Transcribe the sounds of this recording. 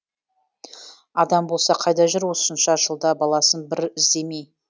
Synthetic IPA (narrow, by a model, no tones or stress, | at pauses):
ɑd̪ɑmbolˠsɑqʰɑjd̪ɑʒɪɾwo̞sənʃɑʒəlˠd̪ɑbɑlˠɑsənbɪɾɪzd̪e̞mej